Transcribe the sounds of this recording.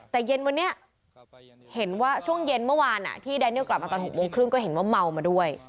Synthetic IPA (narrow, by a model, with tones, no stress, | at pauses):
t̪ɛː˨˩je˧nwa˧nːi˦˥ɐ | he˩˦nwaː˥˩t͡ɕʰu˥˩əŋje˧nmɯ˥˩waː˧nʔa̰˨˩t̪ʰiː˥˩daː˧niː˥˩wkla˨˩p̚ma˧t̪ɔː˧nɦo˨˩k̚moː˧ŋkʰɾɯ˥˩ŋkɔː˥˩ɦe˩˦nwaː˥˩ma˧wmaː˧du˥˩əj